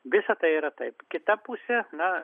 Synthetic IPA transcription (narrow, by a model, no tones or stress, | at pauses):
ʋʲɪsɐt̪ɐɪiːɾɐt̪ɐɪpkʲɪt̪ɐpusʲɛnɐ